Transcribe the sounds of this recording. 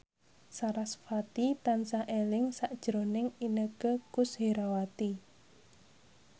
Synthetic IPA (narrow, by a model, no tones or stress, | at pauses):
saɾasfat̪it̪ansaʔelɪŋsaʔd̥ʒ̥ɾonɪŋinəɡ̥əkʊsheɾawat̪i